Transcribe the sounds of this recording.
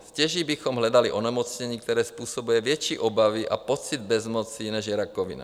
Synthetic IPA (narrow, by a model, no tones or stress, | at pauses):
scɛʒibixɔmɦlad̪aliʔɔnɛmɔt͡sɲɛɲiːk̚t̪ɛɾɛːspuːsɔbujɛvɪɛt͡ʃiʔɔbaʋiʔa̰pɔt͡sid̪̚bɛzmɔt͡sinɛʒjɛɾakɔʋḭna̰